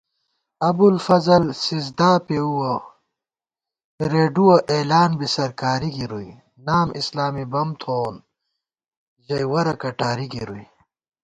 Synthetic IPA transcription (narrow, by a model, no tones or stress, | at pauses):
ɐbulfɐzɐlsizd̪aːpeuwɐ | ɾeːɖuwɐʔeːlaːnbisɐɾkaːɾiɡiɾui | naːmʔḭslaːmibɐmt̪ʰoːn | ʑɐjwɐɾɐkɐʈaːɾiɡiɾuj